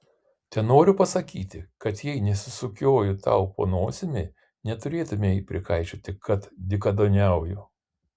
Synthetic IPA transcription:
t̪ʲɛnoːɾʲʊpɐsɐkʲiːt̪ʲɪkɐt̪jɛɪnʲɛsʲɪsʊkʲoːjʊt̪ɐ̰ʊpo̰ːnoːsʲɪmʲe | nʲɛt̪ʊɾʲeːt̪ʊmʲeːipʲɾʲɪkɐɪt͡ʃʲoːt̪ʲɪkʰɐt̪d̪ʲɪkɐd̪oːnʲɛˑʊjʊ

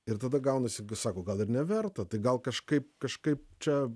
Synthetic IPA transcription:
ɪɾt̪ɐd̪ɐɡɐʊnɐsʲɪɡsɑːkoːɡɐlˠɪɾnʲɛʋʲɛrt̪ɐt̪ɐɪɡɐlˠkɐʃkɐɪp̚kɐʃkɐɪpt͡ʃʲɛ

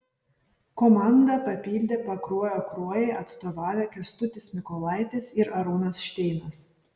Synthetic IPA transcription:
kɔmɑˑnd̪ɐpɐpʲiːlʲd̪ʲeːpɐkɾuɔjoːkɾuɔjɛɪʔɐt̪st̪oːʋɑːʋʲɛkʲɛst̪ʊt̪ʲɪsmʲɪkɔlˠɑˑɪt̪ʲɪsɪɾɐɾuːnɐsʃʲt̪ʲɛɪnɐs

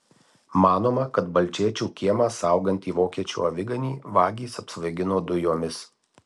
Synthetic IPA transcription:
mɑːnoːmɐkɐt̪bɐlʲt͡ʃʲiɛt͡ʃʲuːkʲiɛmɑːsɑˑʊɡɐnʲt̪ʲiːʋoːkʲiɛt͡ʃʲṵːɐʋʲɪɡɐnʲiːʋɑːɡʲiːsɐpsʋɐɪɡʲɪnoːd̪ʊjoːmʲɪs

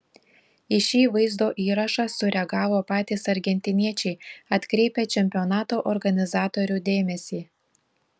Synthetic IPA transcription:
ɪʃʲiːʋɐɪzd̪oːʔiːɾɐʃɑsʊɾʲɛɡɑːʋoːpɑːt̪ʲiːsɐɾʲɡʲɛnʲt̪ʲɪnʲiɛt͡ʃʲɛɪɐt̪ʲkɾʲɛɪpʲeːt͡ʃʲɛmʲpʲɪɔnɑːt̪oːʔɔɾɡɐnʲɪzɑːt̪oːɾʲuːd̪ʲeːmʲɛsʲiː

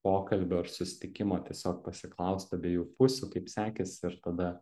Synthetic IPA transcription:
poːkɐlʲbʲoːɪɾsʊsʲɪ̥t̪ʲɪkʲɪmoːt̪ʲiɛsʲoːk̚pɐsʲɪklˠɐʊst̪ɐbʲeːjuːpʊsʲʊkɐɪpsʲæːkʲɛsɪɾt̪ɐd̪ɐ

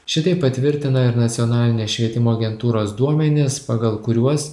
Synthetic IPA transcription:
ʃʲɪt̪ɐɪpːɐt̪ʲʋʲɪɾʲt̪ʲɪnɐɪɾnɐt̪sʲɪɔːnɑːlʲɪnʲeːsʃʲʋʲiɛt̪ʲɪmoːɐɡʲɛnt̪uːɾoːsd̪uɔmʲɛnʲɪspɑɡɐlˠkʊɾʲuɔs

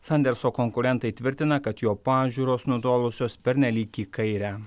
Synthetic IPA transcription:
sɐnd̪ʲɛɾsoːkɔŋkʊɾʲɛnt̪ɐɪt̪ʲʋʲɪɾʲt̪ʲɪnɐkɐt̪joːpɑːʒʲuːɾoːsnʊd̪oːlˠʊsʲoːspʲɛɾʲnʲɛlʲiːkʲiːkɐɪɾʲæː

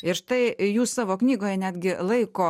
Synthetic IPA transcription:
ɪɾʃt̪ɐɪjuːssɑːʋoːknʲiːɡoːjɛnʲæːd̪ʲɡʲɪlˠɐɪkoː

